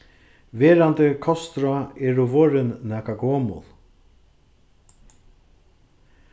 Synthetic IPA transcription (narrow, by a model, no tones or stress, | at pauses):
ʋeːɾant̪əkʰɔst̪ɾaɛːɾʊʋoːɾɪnːɛːkaɡoːmʊ̰l